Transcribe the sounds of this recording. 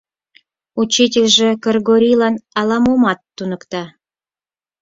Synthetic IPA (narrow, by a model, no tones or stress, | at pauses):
ut͡ɕit̬ʲelʲʒĕkərɣoɾʲilɑnɑlɑmomɑt̪ːunə̆kt̪ɑ